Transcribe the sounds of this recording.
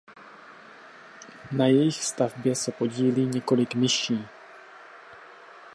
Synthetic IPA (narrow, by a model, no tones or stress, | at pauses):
najɛjɪxst̪avbjɛsɛpo̞ɟiːliːɲɛko̞lɪkmɪʃiː